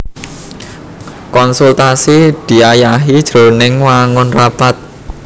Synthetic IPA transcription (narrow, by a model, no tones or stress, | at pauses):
kɔnsult̪asid̪̥i̤ajaɦid̥ʒ̥ɾo̤nɪŋwaŋʊnrapat̪̚